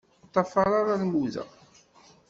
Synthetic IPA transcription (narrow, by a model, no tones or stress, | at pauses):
t̪ˤːɑfɑɾˤaɾaɾmuðæ̰